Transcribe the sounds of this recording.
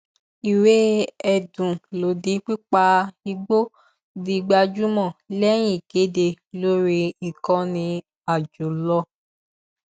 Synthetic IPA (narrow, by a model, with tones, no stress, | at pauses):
i˨we˨˦ɛ˦˨dũ˨lo˨di˨˦k͡pi˦k͡pa˧i˧ɡ͡bo˦ | di˧ɡ͡ba˧d͡ʒu˦mɔ̃˦˨lɛ˦j̃ĩ˦˨ɡe˨˦de˧˨ | lo˦ɾi˧i˨kɔ̃˧nĩ˧ | a˦˨d͡ʒo˨lɔ˦